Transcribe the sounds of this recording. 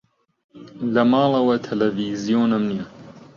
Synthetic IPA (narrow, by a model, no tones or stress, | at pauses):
lɐmɑːlˠɐwɐt̪ʰɐlɐviːzijoːnɨmnijɐ